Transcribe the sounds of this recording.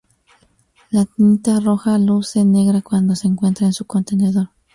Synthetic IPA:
lat̪int̪aroxaluseneɣɾakwand̪oseːŋkwent̪ɾaensukont̪eneðoɾ

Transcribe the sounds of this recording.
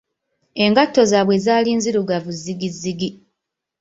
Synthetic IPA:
e̞ŋɡatːo̞zaːβwe̞zaːliːnziɾuɡavuzːiɡizːiɡi

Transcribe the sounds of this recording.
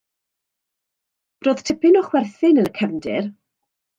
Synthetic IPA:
b̥roːð̥tʰɪpɪnɔχwɛrθɪnənəkʰəvndɪ̰r

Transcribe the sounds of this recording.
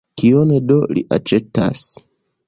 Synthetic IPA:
kionedolḭʔa̰t͡ʃeta̰s

